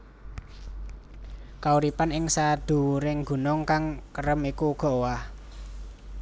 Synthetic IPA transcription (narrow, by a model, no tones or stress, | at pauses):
kauɾipanɪŋsad̪̥ṳuɾɪŋɡṳnʊŋkaŋkəɾəmikuɡ̥ɔ̤wah